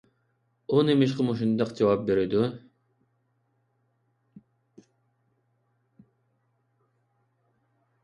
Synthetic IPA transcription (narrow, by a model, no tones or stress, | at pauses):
unemiʃ̬qəmuʃ̬und̪ɑqd͡ʒɑwɑp̚beɾɪd̪u